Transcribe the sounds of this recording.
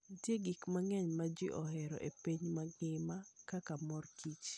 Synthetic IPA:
tjeɡikmaŋɛɲmad͡ʒɪʔɔhɛɾɔ̰ʔepiɲmaɡɪmakakamɔrkʰit͡ʃ

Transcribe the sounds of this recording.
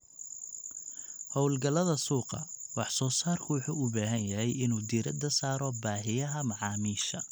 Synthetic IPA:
hɔwlɡɐlɐðɐsuːqɑ̰wɑħsɔːsaːrkʰʊwʊħuːʊbaːɦɐnjɐɦɛjɪnuːd̪iɾɐ̰d̪ɐsaːɾɔbaːɦɪjɐɦɐmɑʕɑːmiːʃɐ

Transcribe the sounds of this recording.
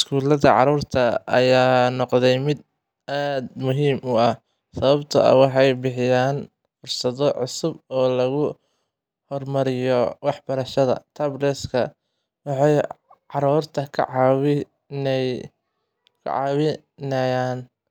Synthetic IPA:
ɪskʰuːlɐðɐ̰ʕɑ̰ɾuːrt̪ʰɐɐjaːnɔqd̪ɛjmɪd̪ | ʔaːd̪mʊɦiːmʔʊɐh | sɐβɐbt̪ʰɐɐ̰wɑħɑjbɪħɪjaːn | fʊrsɐðɔʕʊsʊbɔːlɐɣʊ | hɔrmɐɾɪjɔwɑħb̥ɐɾɐʃɐðɐ̰t̪ʰɐblɛskʰɐ | wɑħɑjʕɑɾuːrt̪ʰɐkʰʕɪ | kʰʊ̰ʕɑ̰ːβɪ | nɐjaːn

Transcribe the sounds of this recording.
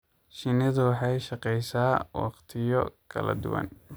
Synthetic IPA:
ʃɪnɪðʊwɑħɑjʃɑqɛjsaːwɑ̰qt̪ʰɪjɔ̰kʰɐ̰lɐ̰d̪ʊ̰wɑ̰n

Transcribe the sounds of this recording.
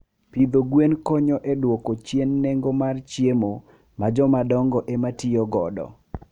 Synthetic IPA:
pid̪oɡwenkɔɲɔʔedwɔkot͡ʃjenːeŋɡomart͡ʃjemo | mad͡ʒɔmadɔŋɡɔʔematɪɔɡɔdɔ̰

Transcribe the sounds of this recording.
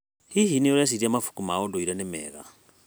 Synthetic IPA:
hiɦinijɔɾas̬iɾiamafu̥kumaɔdɔiɾɛnɛmɛ̰ːɣa̰

